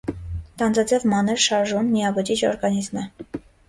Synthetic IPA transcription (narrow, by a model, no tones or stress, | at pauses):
t̪ɑnd͡zɑd͡zɛvmɑnɛɾʃɑɾʒunːijɑbəd͡ʒit͡ʃʰɔ̰ɾɡɑnizmə